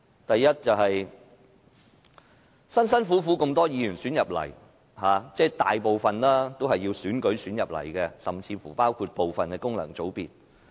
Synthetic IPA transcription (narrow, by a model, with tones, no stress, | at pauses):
t̪ɐ˨jːɐ˥t̚t͡sɐ˨whɐ˨j | sɐ˥nsɐ˥nfuː˨˥fuː˨˥ko˧mt̪ɔː˥jiː˨˧jyː˨˩nsyː˨˥njɐ˨p̚lɐ̰˨˩j | haː˨˧t͡sɛː˥t̪a̰ː˨jpo˨wfɐ˨nlaː˥t̪o˥whɐ˨jːi˧wsyː˨˥nkɵ˨˥ɥsyː˨˥njɐ˨p̚lɐ̰˨˩jkɛ˧sɐ˨mt͡sʰiː˧fṵː˨˩paː˥wkʰu˧t̚po˨wfɐ˨nkɛ˧kʊ˥ŋlɐ̰˨˩ŋt͡so˨˥wpiː˨t̚